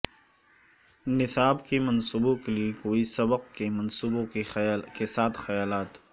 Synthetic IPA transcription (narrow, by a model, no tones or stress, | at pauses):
nɪsaːbkemɐnsuːbõkeliekoːisɐbəqkemɐnsuːbõekesaːt̪ʰxɐjaːlaːt̪